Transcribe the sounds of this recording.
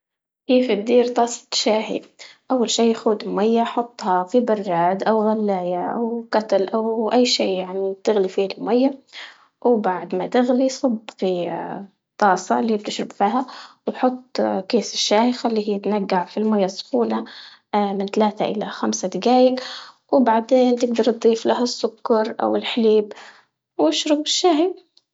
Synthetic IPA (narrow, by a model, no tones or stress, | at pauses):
keːfid̪ːiːɾt̪ˤɑːsˤɑ̥t̪ʃaːhḭʔawːalʃiːjxuːd̪ɪlmajːaħʊt̪ˤːhɑfibɑrˤːaːd̪ʔawɣalːaːjaʔa̰wkat̪alʔawʔajːʃiːjaʕnit̪ɪɣlifiːalmajːa | wbaʕd̪mat̪ɪɣlisˤɑbfi | t̪ˤɑːsˤɑlːiːb̚t̪ɪʃɾɪbfiːhawħʊt̪ˤːkeːsɪʃːaːjɪxalːiːhiːt̪naɡːaʕfilmajːasːʊ̥xuːna | mɪnt̪alaːt̪aʔɪlaxamsad̪ɪɡaːjɪk | wbaʕd̪eːnt̪ɪɡd̪ɑɾˤt̪̚d̪ˤiːflaɦasːʊkːɑɾˤʔa̰wɪlħaliːb | wɪʃɾʊbɪʃːaːhi